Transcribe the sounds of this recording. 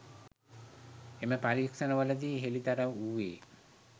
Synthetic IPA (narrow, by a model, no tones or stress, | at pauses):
eməpaɾiksənəʋələd̪iːɦelit̪aɾaʋuʋeː